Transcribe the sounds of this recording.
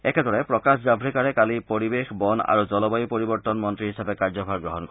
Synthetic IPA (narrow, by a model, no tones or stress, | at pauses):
ɛkʰɛdɔɹɛpɹɔkaszabʱɹikaɹɛkalipoɹibexbɔna̰ɹuzɔlɔbajupɔɹibɔɹt̪ɔnmɔntɹiɦisapɛkaɹzɔbʰʱaɹɡɹɔɦɔnkɔ